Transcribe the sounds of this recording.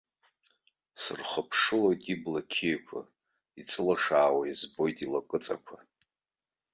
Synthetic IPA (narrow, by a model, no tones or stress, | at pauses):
sɨ̰rχəpʰʂɨlojtʼiblakʲʰejkʷʰa̰ | it͡sʼɨlaʂaːwajizbo̞jtʼilakʼɨt͡sʼakʷʰa